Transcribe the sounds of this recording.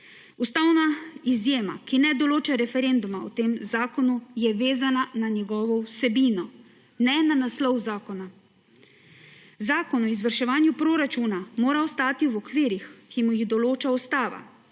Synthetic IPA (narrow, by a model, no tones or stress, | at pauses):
ust̪aːwnaizjeːma̰kinɛd̪ɔloːt͡ʃaɾɛfɛɾend̪umaɔt̪eːmzaːkɔnujɛʋeːzanananjɛɡɔːʋɔwsɛbiːnɔ | nɛnanaslɔwzaːkɔna | zaːkɔnɔizʋəɾʃɛʋaːnjupɾoːɾat͡ʃunamoːɾaɔst̪aːt̪iuwɔkʋiːɾixkimujiɣd̪ɔloːt͡ʃaust̪aːʋa̰